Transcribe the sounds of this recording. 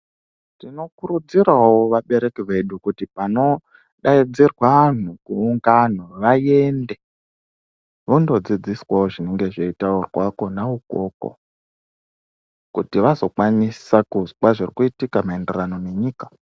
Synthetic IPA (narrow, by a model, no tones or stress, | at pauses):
tino̞kuɾud͡ziɾawoʋaɓe̞ɾe̞kiʋe̞ɗukutipano̞ | ɗaid͡zirwan̤ukuːŋɡan̤uʋaje̞nde̞ | ʋondo̞d͡zid͡ziswaoʐine̞ŋɡe̞ʐeitaurwako̞nauko̞̰ko̰ | kutiʋazo̞kwanisakuzkwaʐirikuitikamae̞nde̞rano̞ne̞ɲiːkḁ